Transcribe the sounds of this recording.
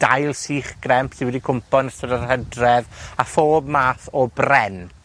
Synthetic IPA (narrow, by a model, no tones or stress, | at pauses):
d̥ajlˠsiːχɡ̥rɛmpsɪnwɛdikʰʊmpɔnəstədarhədrɛðafoːb̚maːθɔbrɛn